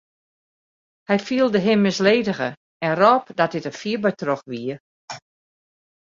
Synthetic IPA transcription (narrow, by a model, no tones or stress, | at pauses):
hɛjfiəlˠdəɦɪmːɪsleːdəɣə̰ | ɛrɔpdɔt̚dɪtəfiəbətrɔxʋiə